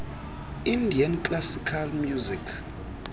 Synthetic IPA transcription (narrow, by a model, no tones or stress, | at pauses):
indʱiankʼlasikʰalmjuzikʰ